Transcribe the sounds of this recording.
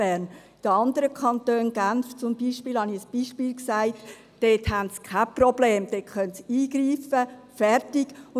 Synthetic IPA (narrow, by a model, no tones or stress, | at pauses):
ɛːɾn | id̥əɑnd̪əɾəkʰχɑnt̪øːnɡ̥anft͡sʊmbiːʃpiːlhɑniəsb̥iːʃpiːlksaɪt | d̥eːthæntt͡skʰaprɔbleːmd̥etkœntsiːɡɾiːfəfɛɾtiɡ̥ʊ